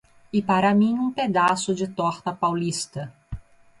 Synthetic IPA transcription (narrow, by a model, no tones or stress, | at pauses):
ɪpaɾɐmĩũped̪asʊd͡ʒɪt̪ɔɾt̪ɐpawlist̪ɐ